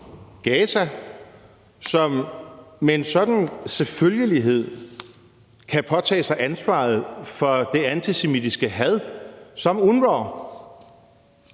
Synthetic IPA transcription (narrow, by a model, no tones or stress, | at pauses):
ɡ̥ɛːsæ | sɒ̽mː | ee̝nsɒ̽d̥n̩seføljəliɦe̝ð̞̰ˠ | kʰæpʰɒ̽t͡sʰɛ̰ːsɑ̈ɪʔænsʋɑ̰̈ð̩ˠfɒ̽d̥e̝ænt͡sʰise̝midisɡ̥əɦæðˠsɒ̽munʋɒ̰ː